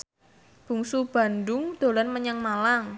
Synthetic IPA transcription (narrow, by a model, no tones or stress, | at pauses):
b̥ṳŋsub̥a̤ndʊŋd̪̥o̤lɔnməɲaŋmalaŋ